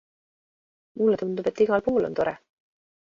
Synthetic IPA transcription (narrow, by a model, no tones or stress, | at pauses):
mulːet̪und̪ub̥e̞t̪ːiɡ̥ɑlpuːlo̞nt̪o̞ɾɛ